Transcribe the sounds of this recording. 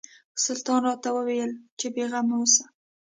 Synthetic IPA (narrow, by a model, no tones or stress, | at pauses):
sʊlt̪ɑnrɑt̪awəwejəlt͡ʃebeɣamawəsḁ